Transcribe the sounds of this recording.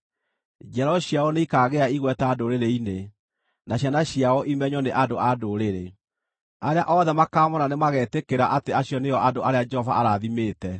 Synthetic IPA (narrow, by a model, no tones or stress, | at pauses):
d͡ʒɛɾɔɕjaɔneikaːɣeaiɣwɛtaːdoɾeɾeine | naɕjanaɕiaɔʔimɛɲɔneʔadoadoɾeɾe | aɾeaʔɔðɛmakaːmɔnanemaɣɛtekeɾaʔateaɕjɔnejɔʔadoaɾead͡ʒɛhɔva̰aɾaðimeːtɛ